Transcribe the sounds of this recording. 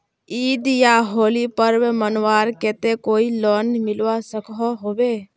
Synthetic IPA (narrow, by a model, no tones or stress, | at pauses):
iːd̪jaɦoːlipəɾwmənwaːɾkɛːt̪ekoːilɔːnmɪlwasəkɦɔɦoːbeː